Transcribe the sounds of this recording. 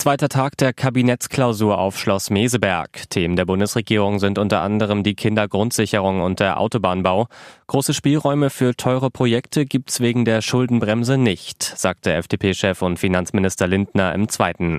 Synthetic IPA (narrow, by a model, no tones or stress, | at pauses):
t͡sv̥aɪtɐtʰaːkd̥eːɐkʰabinɛt͡skl̥aʊzuːɐʔa̰ʊfʃlɔsmeːzəbɛɐktʰeːməndeːɐbʊndəsʁ̥eɡiːʁ̞ʊŋzɪntʔʊntɐʔa̰ndəʁ̞əmdiːkʰɪndɐɡʁʊntz̥ɪçəʁ̞ʊŋʊnt̚d̥eːɐʔa̰ʊtobaːnbaʊɡ̥ʁoːsəʃpiːlʁɔʏməfyːɐtʰɔʏʁəpʁ̥ojɛktʰəɡiːp̚tsv̥eːɡŋ̩deːɐʃʊldn̩bʁɛmzənɪçtz̥aːk̚td̥əɛfd̥eːpʰeːʃɛfʊntfinant͡smɪnɪstɐlɪndnɐɪ̰mt͡sv̥aɪtn̩